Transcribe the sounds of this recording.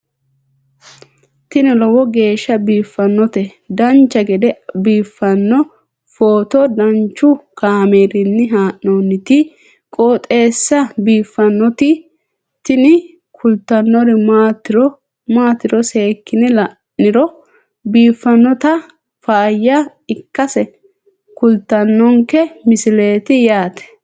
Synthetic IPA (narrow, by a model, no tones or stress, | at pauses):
t̪ɪnɪlɔwɔɡe̞ːʃːɐbiːfːɐnːɔt̪ɛ | d̪ɐnt͡ʃːɐɡɛd̪ɛbiːfːɐnːɔ | foːt̪ɔd̪ɐnt͡ʃːʊkaːmeːɾɪnːɪɦaːʔnoːnːɪt̪ɪ | kʼoːt̪ʼe̞ːsːɐbiːfːɐnːɔt̪ɪ | t̪ɪnɪ | kʰʊlt̪ːɐnːɔɾɪmaːt̪ːɪɾɔ | maːt̪ːɪɾɔse̞ːkːɪnɛlɐ | nːɪɾɔ | biːfːɐnːɔt̪ɐ | faːjːa | ɪkːɐsɛ | kʊlt̪ːɐnːɔŋkɛmɪsɪleːt̪ɪjaːt̪ɛ̥